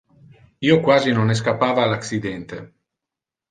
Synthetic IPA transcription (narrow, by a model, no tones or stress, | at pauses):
iːokwaːzinones̬kapːaːvaːlaksid̪ɛnt̪e